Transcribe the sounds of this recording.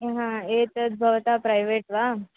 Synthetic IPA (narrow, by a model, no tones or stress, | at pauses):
ɦãet̪ət͡s̪̚bʱəʋt̪apɾajʋeʈʋa